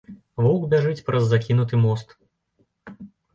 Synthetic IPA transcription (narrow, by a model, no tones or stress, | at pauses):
vɔwɡbʲaʐɨt͡sʲpɾʔɐzːakʲin̪ut̪ɨmɔst̪